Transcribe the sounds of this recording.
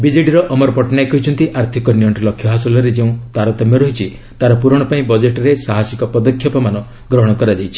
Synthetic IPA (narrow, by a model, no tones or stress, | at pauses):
bid͡ʒeɖiɾɔʔɔmɔɾɔpɔʈnajkɔɦit͡ʃʰɔnt̪iʔaɾt̪ʰikɔnijɔɳʈɔlɔkʰjɔɦasɔlɔɾed͡ʒeũt̪aɾɔt̪ɔmjɔɾɔɦit͡ʃʰi | t̪aɾɔpuɾɔɽ̃ɔpaĩbɔd͡ʒeʈɔɾesaɦasikɔpɔd̪ɔkʰːjɔpamanɔ | ɡɾɔɦɔɽ̃ɔkɔɾad͡ʒajt͡ʃʰi̥